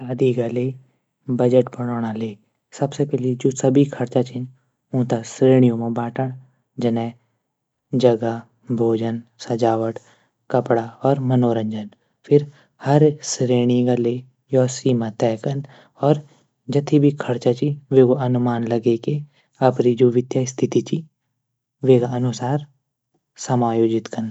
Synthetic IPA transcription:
aːd̪iɡale | bəd͡ʒəʈbəɽ̃oːɽ̃aleː | səbsepɛːled͡ʒoːsəbʱikʰəɾt͡ʃat͡ʃi | ũːt̪asɾeːɽ̃ijõmãbaːʈəɽ̃ | d͡ʒənɛ̃ː | d͡ʒəɡa | bʱoːd͡ʒənsɐd͡ʒaːʋəʈ | kəpɽaɔːɾmənoːɾə̃ɲd͡ʒən | pʰɪɾ | hɐɾsɾeːɽ̃iɡale | jɔːsiːmat̪ɛːkən | ɔːɾ | d͡ʒɐt̪ʰibʱikʰɐɾt͡ʃat͡ʃiʋeːɡoɐnʊmaːnləɡeke | ɐpɾid͡ʒoːʋɪd̪jaːst̪ʰɪt̪it͡ʃi | ʋeːɡaənʊsaːɾ | səmaːjoːd͡ʒɪt̪kən

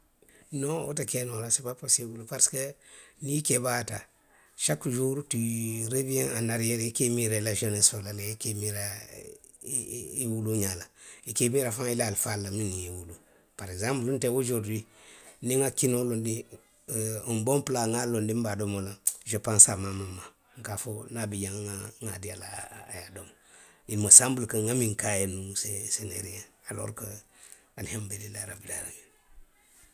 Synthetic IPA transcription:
noo̰takenoɾasipaposibulpaɾskenikebata | ʃakːd͡ʒuɾutiɾebijẽŋanaɾjeɾikemiɾelaʃonesolaleikemiɾa | wuluɲalaikemiɾafãŋilalfalːaminiiwulu | paɾeɡzãmpluntewud͡ʒuɾdiniŋakinolondi | mbomplaŋalondimbadomolad͡ʒopansamamamːa | ŋkafonabid͡ʒaŋŋaŋadiala̰ːjadom | inmasambulkəŋamiŋkajenusesenḛɾijaalo̰ɾkə | anhembelilaɾa̰bila̰ɾa̰ɲen

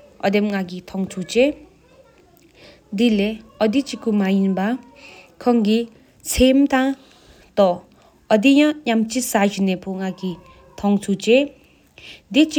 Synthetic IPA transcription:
ʌ̰d̪emŋaɡit̪ʰɔŋt͡sʰut͡ʃe | d̪ileʌd̪it͡ʃikumajinba | kʰʌŋɡi | t͡sʰemt̪ã | t̪ɔː | d̪ijãjamt͡sisad͡ʒinepʰoŋaɡi | t̪ʰɔŋt͡sʰut͡ʃe | d̪it͡ʃi

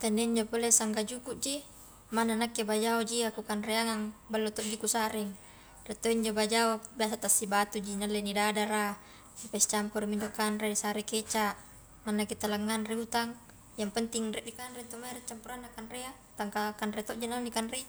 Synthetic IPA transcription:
t̪anːeiɲd͡ʒopolesaŋɡad͡ʒukuʔd͡ʒi | mananakːebad͡ʒaod͡ʒiakukanreaŋaŋbalːot̪ɔʔd͡ʒikusaɾiŋ | ret̪oiɲd͡ʒobad͡ʒaobiasat̪asːibat̪ud͡ʒinalːenidadaɾa | nipasit͡ʃampoɾimiɲd͡ʒokanreisaɾeket͡ʃaʔ | ŋanːaket̪alaŋːanreut̪aŋ | jaŋpənt̪iŋrɛʔdikanrent̪omaɾet͡ʃːampuɾanːakanrea | t̪aŋkakanret̪ɔʔd͡ʒinanikanre

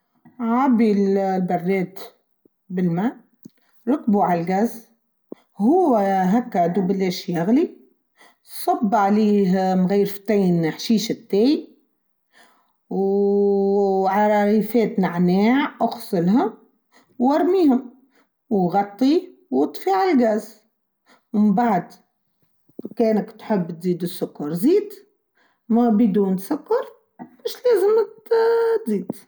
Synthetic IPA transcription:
ʕabillbɑrˤːeːt̪ | bɪlmaː | ɾˤʊkbuʕalɡaz | hʊwːaɦakːad̪ubɪleʃjaɣli | sˤɑbːʕaliːɦmɣijːɾft̪eːnħʃiːʃat̪ːeːj | w | ʕɑɾˤɑɾiːfeːt̪naʕneːʕʔʊxsˤɨlɦa | wːɑɾˤmiːhʊm | wɣɑt̪ˤːiwʊt̪ˤfiʕalɡæʔz | wmɪmbaʕd̪ | keːnakt̪ħɪbːt̪ziːd̪ɪsːʊkːɑɾˤziːd̪ | mabɪd̪uːnsʊkːɑɾˤ | mɪʃleːzɪm | t̪ziːd̪

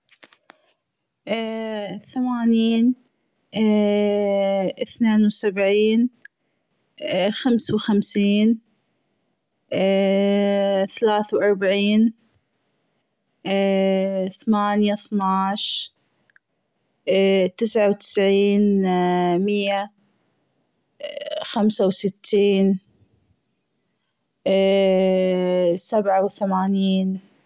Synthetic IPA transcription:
ʔ | θamaːniːn | ɪθneːnwsabʕiːn | xamswxamsiːn | θalaːθawʔɑɾˤbaʕiːn | θamaːnjaθnaːʃ | t̪ɪsʕawt̪ɪ̥sʕiːn | mɪjːa | xamsawsɪt̪ʰːiːn | sabʕawθamaːniːn

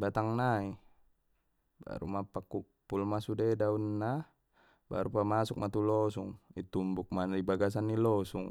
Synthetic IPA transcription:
bat̪aŋnai | ba̰ɾṵmapakupːulmasudedaunːa | ba̰ɾupamasuk̚mat̪ulɔsuŋit̪umbuk̚manadibaɡas̬anːilɔsṵŋ

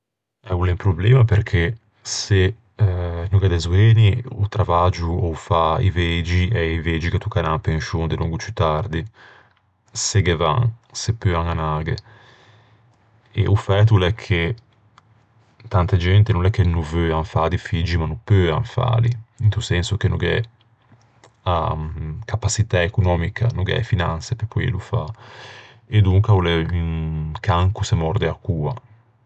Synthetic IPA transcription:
ɛulɛmpɾoblɛːmapeɾkʰe | se | nuɡad̪ezweːniut̪ɾavad͡ʒuofaḭved͡ʒiɛiveːd͡ʒikat̪ukananpeŋʃond̪eluŋɡut͡ʃyt̪aɾd̪i | seɡeva̰ŋsepːøaŋanaːɡḛ | ḛʔufɛt̪ulɛkʰːe | t̪ant̪ad͡ʒɛnt̪enũnɛkːenuvøaɱfaːd̪ifid͡ʒimanupøa̰ɱfa̰ːliint̪usɛnsuk̟enuɡɛ | akapasit̪aekunɔːmikʰa̰nuɡɛ̰finansepepʰːɔjɛ̰lufa̰ | ed̪uŋkaulɛynkʰaŋkusemɔɾd̪eakːuːa

